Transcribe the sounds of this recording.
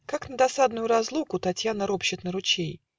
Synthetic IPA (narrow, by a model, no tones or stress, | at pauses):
kaknəd̪ɐsad̪nʊjʊɾɐzlˠukʊt̪ɐtʲjanəɾopɕɪt̪nəɾʊt͡ɕej